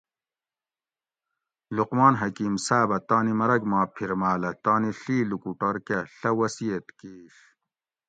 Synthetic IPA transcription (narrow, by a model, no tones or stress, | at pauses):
luqmaːnɦɐkiːmsaːbɐt̪aːnimɐɾɐɡmaːpʰiɾmaːlɐt̪aːniɬiːlukuʈɐɾkɐɬɐwɐsijet̪kiːʂ